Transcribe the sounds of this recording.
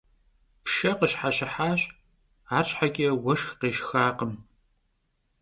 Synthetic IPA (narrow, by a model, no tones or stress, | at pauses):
pʃɐqəɕħaɕɪħaːɕʼ | aːt͡ʃʼħaɡʲʼiwɐʃxqeːʃxaːqəm